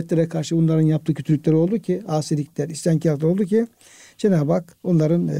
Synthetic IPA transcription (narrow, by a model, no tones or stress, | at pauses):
t̪lʲeɾɛkʰaɾʃɯbunlˠaɾɯnjapt̪ɯːcʰøt̪ʰylʲːycʲlʲeɾio̞lˠd̪ucʰiaːsiɾlʲicʲlʲæɾist̪ʰæncʰiaɾolˠd̪uci | d͡ʒenaːbakunlˠaɾɯn